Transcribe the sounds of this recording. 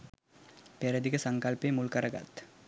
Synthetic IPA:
peɾəd̪iɡəsɐŋkɐlpeːmulkɐɾɐɡa̰t̪

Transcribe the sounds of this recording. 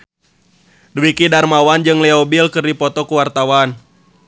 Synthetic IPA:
duwikidarmawand͡ʒɨŋlɛɔbilkɨrdipɔt̪ɔkuwart̪awan

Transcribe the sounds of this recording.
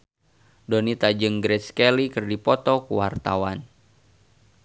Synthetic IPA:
dɔnit̪ad͡ʒɨŋɡɾɛt̪skɛlikɨrdipɔt̪ɔkuwart̪awan

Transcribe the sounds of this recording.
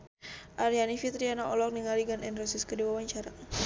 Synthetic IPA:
ʔaɾianifit̪ɾianaʔɔlɔk̚niŋaliɡanɛnrɔsiskədiwawaɲt͡ʃaɾa

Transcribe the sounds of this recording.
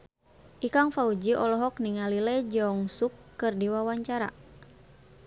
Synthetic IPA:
ʔikaŋfaud͡ʒiʔɔlɔɦɔk̚niŋalilɛd͡ʒɔŋsukːɨrdiwawaɲt͡ʃaɾa̰

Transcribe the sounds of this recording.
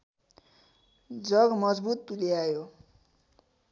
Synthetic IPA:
d͡zʌɡmʌd͡zbut̪̚puljajo

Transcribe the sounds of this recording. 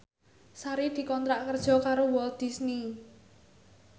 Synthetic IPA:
saɾid̪̥i̤kɔnt̪ɾaʔkərd̥ʒ̥ɔ̤kaɾowɔld̪̥i̤sni

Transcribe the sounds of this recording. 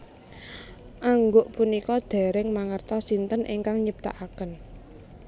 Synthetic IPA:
ʔaŋɡoʔpunikɔd̪̥ɛ̤ɾɪŋmaŋərt̪ɔsint̪ənʔḭŋkaŋɲəp̚t̪a̰ʔakən

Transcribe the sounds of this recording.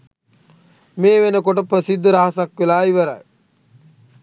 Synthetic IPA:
meːʋenəkoʈəpɾəsid̪ːəɾaɦasakʋelaːiʋəɾa̰j

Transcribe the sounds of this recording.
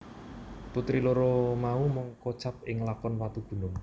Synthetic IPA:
put̪ɾiloɾomaumɔŋkɔt͡ʃap̚ɪŋlakɔnwat̪ub̥ṳnʊŋ

